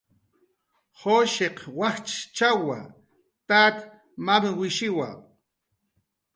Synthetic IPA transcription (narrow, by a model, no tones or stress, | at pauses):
hoʃeqwaχt͡ʃt͡ʃawa̰ | t̪at̪ | mamwɪʃɪwa̰